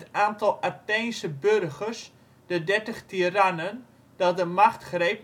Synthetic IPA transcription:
taːntɔlˠatejnsəbørɣərs | d̥ədɛrtəχtiranən | d̥ɔt̚dəmaxtχrejp

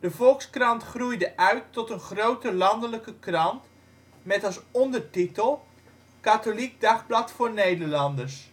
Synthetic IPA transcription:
d̥əvɔlˠkskrɑntχrujdəʔœɥtːɔtənχrowtəlɑndələkəkrɑnt | mɛtɑsɔndəɹtitəlˠ | katolik̚dɑχblɑtfʊːɹnejdəɹlɑndəɹs

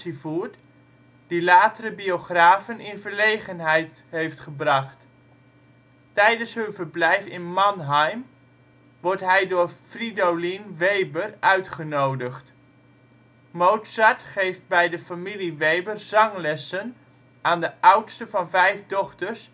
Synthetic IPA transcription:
ivuːɹt | d̥ilaːtərəbioχraːvənɪnvəɹlejχənɦɛjt | ɦejftχəbrɑχt | ɛjdənsɦɵnvəɹblɛjfɪnmɑnɦajm | ʋɔɹtɦɛjdʊːɹfridowlinʋejbərœɥtχənowdəχt | mowtsatχejft̚bɛjdəfamiliʋejbərz̥ɑŋlɛsən | ʔaːndəʔʌwtstəvɑnvɛjfdɔχtəɹs

